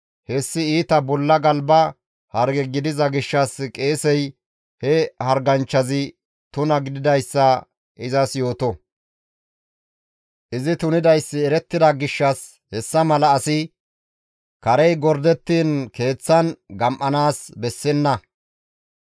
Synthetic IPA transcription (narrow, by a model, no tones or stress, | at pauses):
hɛsːɪiːt̪ɐbɔlːɐɡɐlbɐ | hɐɾɡɛɡɪd̪ɪzɐɡɪʃːɐskʼe̞ːsɛj | hɛhɐɾɡɐnt͡ʃːɐzɪ | t̪ʊnɐɡɪd̪ɪd̪ɐjsːɐ | ʔɪzɐsjo̞ːt̪ɔ | ʔɪzɪt̪ʊnɪd̪ɐjsːɪɛɾɛt̪ːɪd̪ɐɡɪʃːɐs | hɛsːɐmɐlɐːsɪ | kɐɾɛjɡɔɾd̪ɛt̪ːiːnke̞ːt͡sːɐnɡɐmʔɐnaːsbɛsːɛnːɐ